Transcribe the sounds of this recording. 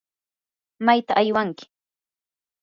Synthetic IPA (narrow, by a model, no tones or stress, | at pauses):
majt̪aʔːjwaŋkɪ̥